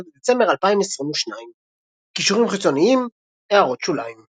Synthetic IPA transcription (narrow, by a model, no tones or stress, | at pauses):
bed̪et͡se̞mbeʁalpaimesʁimuʃnaim | kiʃuʁimχit͡so̞niim | eaʁo̞t̪ʃulaim